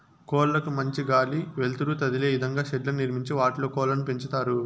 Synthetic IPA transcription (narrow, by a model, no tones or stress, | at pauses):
kɔːllɐkumɐɲt͡ʃiɡaːliʋelt̪uɾut̪ɐd̪ile̞ːʋid̪ɐŋɡaːʃɛɖlɐnniɾmiɲt͡ʃiʋaːʈloːkɔːlɐnupeɲt͡ʃut̪aːɾu